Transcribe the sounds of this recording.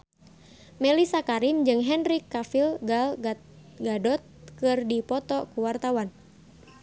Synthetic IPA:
mɛlisakaɾind͡ʒɨŋɦɛnrikːafilɡal | ɡadɔt̪̚kɨrdipɔt̪ɔkuwart̪awan

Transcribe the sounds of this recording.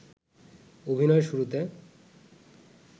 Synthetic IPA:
obʱinɔeʃuɾut̪e

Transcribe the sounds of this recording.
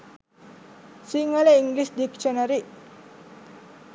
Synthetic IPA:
siŋaleiŋɡlisdiksiɔnaɾiʔ

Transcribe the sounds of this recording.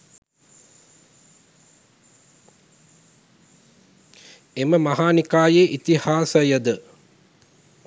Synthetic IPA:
eməmɐɦaːnikaːjeʔit̪ihaːsəjəd̪ə

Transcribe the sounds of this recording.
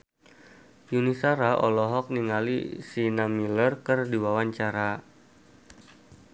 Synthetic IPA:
junisaɾaʔɔlɔɦɔk̚niŋalḭsinamilərkərdiwawaɲt͡ʃaɾa

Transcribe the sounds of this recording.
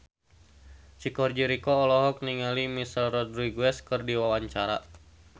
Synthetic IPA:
t͡ʃikɔrd͡ʒiɾikɔːlɔɦɔk̚niŋalimisɛlrɔdɾiɡuɛskɨrdiwawaɲt͡ʃaɾa̰

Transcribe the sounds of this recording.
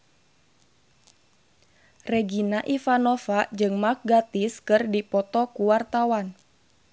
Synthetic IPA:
rɛɡinaʔifanɔfad͡ʒɨŋmak̚ɡat̪iskɨrdipɔt̪ɔkuwart̪awan

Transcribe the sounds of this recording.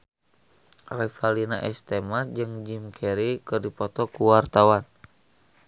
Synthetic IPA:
rɛfalinaʔɛst̪ɛmad͡ʒɨŋd͡ʒimkʰɛɾikɨrdipɔt̪ɔkuwart̪awan

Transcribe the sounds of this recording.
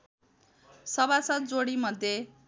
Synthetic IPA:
sʌbasʌt̪̚d͡zoɽimʌd̪ʱje

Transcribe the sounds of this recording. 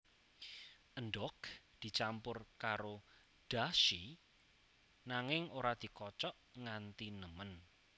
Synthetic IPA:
ʔənɖɔkd̪̥i̤t͡ʃampʊrkaɾo | d̪̥aʃi | naŋɪŋoɾad̪̥i̤kɔt͡ʃɔʔŋant̪inəmən

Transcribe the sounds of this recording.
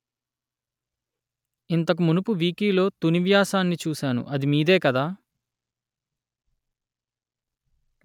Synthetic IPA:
int̪ɐk̬umunupuʋiːkiːlo̞ːt̪uniʋjaːsaːnːit͡ʃuːsaːnṵʔɐd̪imiːd̪e̞ːkɐd̪aː

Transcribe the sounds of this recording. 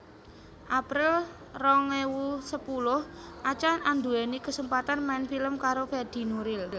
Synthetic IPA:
ʔapɾɪl | rɔŋlewusəpulʊhʔat͡ʃanand̪uɛnikəsəmpat̪anmɛnfiləmkaɾofɛd̪̥i̤nuɾɪl

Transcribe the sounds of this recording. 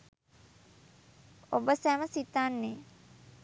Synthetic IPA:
obəsæməsit̪anːe

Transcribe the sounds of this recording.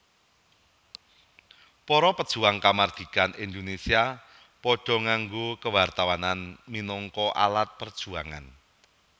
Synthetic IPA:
pɔɾɔpəd̥ʒ̥ṳaŋkamard̪̥i̤kanʔind̪onesia | pɔɖ̥ɔ̤ŋaŋɡokəwart̪awananminɔŋkɔʔa̰lat̪̚pərd̥ʒ̥uaŋa̰n

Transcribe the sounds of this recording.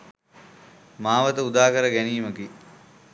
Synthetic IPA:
maːʋət̪əud̪aːkəɾəɡæniːməki

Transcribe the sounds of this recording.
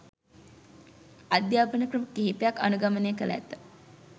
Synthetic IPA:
ad̪jaːpənəkɾəməkiɦipejakːanuɡamənejːkələæ̰t̪ːə̥

